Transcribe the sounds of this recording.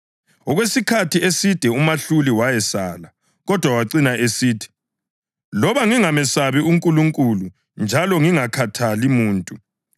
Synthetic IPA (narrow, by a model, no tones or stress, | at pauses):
ɔɣwesikʰatʰiesid̥ʱɛumaɬuliwajɛsaːla | ɣɔd̥ʱwawaǀinaʔesiːtʰi̥ | lɔβaŋiŋamɛsaβiuŋkʼuluŋkʼulu | nd͡ʒʱalɔŋiŋakʰatʰalimuːntʼu